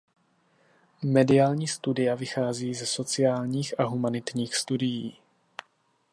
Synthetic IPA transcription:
mɛdɪjaːlɲiːst̪udɪjavɪxaːziːzɛso̞t͡sɪjaːlɲiːxʔaɦumanɪt̪ɲiːxst̪udɪjiː

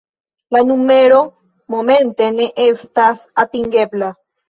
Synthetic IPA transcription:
lanumeɾo | momẽnt̪eneʔest̪asat̪iŋɡebla

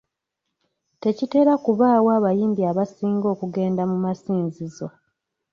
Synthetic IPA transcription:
te̞cite̞ːɾakuβaːwaːβajiːmbiaβasiːŋɡo̞ːkuɡe̞ːndamumasiːnzizo̞

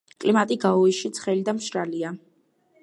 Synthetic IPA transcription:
kʼlimat̪ʼiɡaɔiʃit̪sʰχɛlid̪amʃɾalia

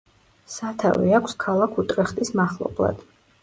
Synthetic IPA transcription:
sat̪ʰa̰vḭakʰskʰalˠakʰut̪ʼɾɛχt̪ʼismaχlˠɔ̰blˠa̰d̪̥

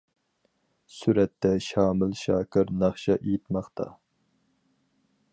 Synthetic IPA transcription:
syɾɛt̪ːɛʃɑːmɪlʃɑːkɪɾnɑχʃɑʔejit̪mɑχt̪ʰɑ̰

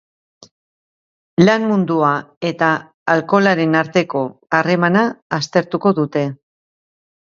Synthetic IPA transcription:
lanmund̪uae̞t̪aː | lko̞laɾe̞naɾt̪e̞ko̞are̞manaːst̪e̞ɾt̪uko̞ðut̪e̞

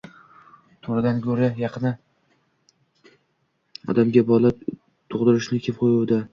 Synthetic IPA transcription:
t̪ʰoɾad̪ankʰʲɵɾajɑqʰɨna | ɒ̰d̪amɡʲabɒla | t̪ʰoʁd̪ɪɾɪʃnɪkʲʰep̚qʰojuwd̪a

